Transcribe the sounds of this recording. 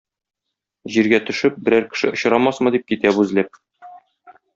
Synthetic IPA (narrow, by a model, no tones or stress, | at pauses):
ʑiɾɡæt̪ɵ̆ʃɘp̚bɘ̆ɾæɾkɘ̥̆ʃɘ̰ʔŏɕɤ̆ɾɑmɑsmɤ̆d̪ip̚kit̪æbʉzlæp̚